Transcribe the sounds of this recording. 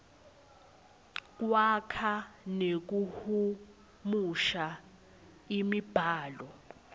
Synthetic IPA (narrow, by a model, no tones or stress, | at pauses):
k̬ʼwakʰanek̬uhu | muʃa | imib̥ʱaːlɔ